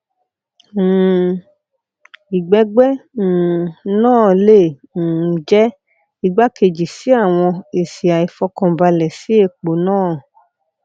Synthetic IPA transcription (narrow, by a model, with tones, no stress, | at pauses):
i˨ɡ͡bɛ˨˦ɡ͡bɛ˦˨ | nãː˦˨le˦˨ | d͡ʒɛ˦ | i˦ɡ͡ba˦ke˧˨d͡ʒi˨si˨˦a˦˨w̃ɔ̃˧e˨si˨a˨i˨fɔ˧˦kɔ̃˧˨ba˧lɛ˨si˨˦e˦˨k͡po˨nãː˦˨